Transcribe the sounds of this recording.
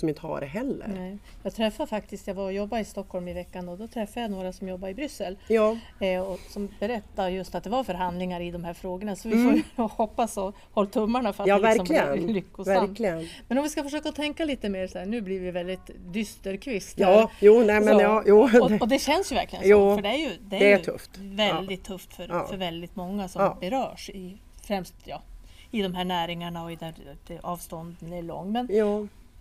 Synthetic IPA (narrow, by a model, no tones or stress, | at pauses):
sɔmɪnt̪əha̰ɾɛɦɛlːə̰ɾnɛ | jɑːɡt̪ʰɾɛfːadfak̚t̪ɪst̪jaɡvaɾɔjɔbːaɪst̪ɔkhɔlmɪvɛkːand̪oːd̪ɔt̪ʰɾɛfːajanoːɾasɔmjɔbːaɾɪbɾʏsəljɑː | ɔsɔmbɛɾɛt̪ːaɾjɵst̪at̪̚d̪ɛvaɾfœɾɦand̪lɪŋaɾɪd̪ɔmhæːɾfɾoːɡəɳasɔvɪfohɔpːasɔ | hɔlːt̪ʰɵmːaɳafœɾatɑːvæɾsɔmlɪɡənlʏkːʊsvæɾmklɪɡənmɛnɔmvɪskafœʂøːkaɔt̪ʰɛŋkaliːt̪əmeːɾsɔæːɳʉ̟ːblɪɾvɪvɛld̪ɪt̪d̪ʏst̪əɾkʰvɪst̪ɑjuːnɛmɛnjɑːjuːɔɔd̪ɛɕɛnsjʉvæ̰ɾklɪɡənsɔːfœɖɛæɾjɵd̪ɛæɾɛjtʰɵ̰ft̪vɛld̪ɪt̪ʰːɵft̪fœɾfœɾvɛld̪ɪt̪mɔŋːasɔbɛɾœːʂɪ | fɾɛmst̪jɑː | ɪd̪ɔmɦæːɳæːɾɪŋaɳaɔɪd̪æɾɑːvst̪ɔnd̪ənæɭɔ̰ŋːmɛnɑ